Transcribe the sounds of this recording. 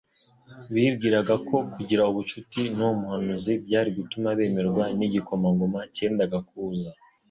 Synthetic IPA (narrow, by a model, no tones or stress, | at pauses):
βiːbɡiːɾaɡakʰo̞kuɟiɾauβut͡ʃutinomuhanuzibɟaːɾiβitumaβe̞ːme̞ɾɡwaniɟiko̞maŋɡomace̞ːndaɡakuːza